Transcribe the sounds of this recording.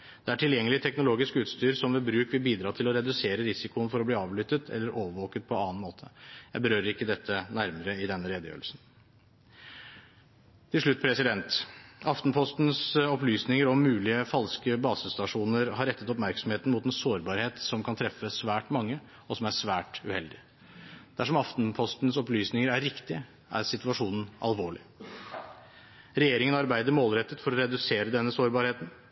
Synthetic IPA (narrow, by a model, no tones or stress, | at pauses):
d̪̥ɛæʈʰɪljɛŋːəlɪt̪ʰɛknʊloːɡɪskəʉːt̪st̪yːɾsɔmʋɛbɾʉːkʋɪlbiːd̪ɾɑːt̪ʰɪlɔɾɛd̪ʉseːɾəɾɪsɪkʊənfɔɾɔbliːɑːʋlʏt̪ːət̪ʰɛ̰lːəɾʔoːʋəʋoːkət̪̚pʰɔɑːnmoːt̪ʰəjæɪbəɾøːɾəɾɪkːəd̪ɛt̪ʰːənæɾməɾəɪd̪ɛnːəɾeːd̪əjø̰ːɾəlsn̩ | t̪ʰɪlʂɭʉt̪ːpʰɾɛsɪd̪ɛnt̪ɑft̪npʰɔst̪n̩sɔplyːsnɪŋəɾɔmːʉːlɪəfɑlskəbɑːsəst̪ɑʂuːnəɾhɑɾɛt̪ːət̪ɔpmæɾksɔmheːt̪n̩mʊt̪ɛnsoːɾbɑːɾheːt̪sɔmkʰɑnt̪ʰɾɛfːəsʋæːʈmɑŋːə | ɔsɔmæʂʋæːʈʉhɛld̪ɪ | d̪̥æʂɔmɑft̪npʰɔst̪nsɔplyːsnɪŋəɾæɾɾɪkt̪ɪ | ʔæ̰ɾsɪt̪ʉɑʂuːnn̩ʔɑ̰lʋoːɭɪ | ɾɛjeːɾɪŋənɑɾbæɪd̪əɾmoːlɾɛt̪ːət̪fɔɾɔɾɛd̪ʉseːɾəd̪ɛnːəsoːɾbɑːɾheːt̪n̩